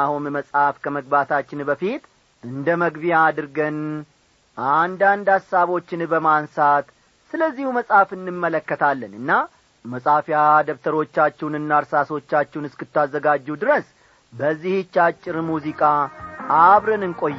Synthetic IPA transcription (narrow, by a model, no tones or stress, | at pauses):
ahunməsʼhafkʰəməɡ̚bat̪ʰat͡ʃːɪnbəfit̪ | ɨnd̪əməɡbijaːd̪ɨɾɡən | ʔand̪and̪asaβo̞t͡ʃːɪnbəmansat̪ | sɨləzːihuməsʼafɨnːɨmːələkːət̪ʰalːənɨnːa | məsʼafjad̪əβt̪ʰəɾo̞t͡ʃːat͡ʃːɛwnɨnːaɾsaso̞t͡ʃːat͡ʃːɛwnɨskɨt̪ʰːazːəɡad͡ʒːɛwd̪ɨɾəs | bəzːihɨt͡ʃːat͡ʃʼːɪɾmuzikʼaʔaβɾɨnɨŋkʼo̞j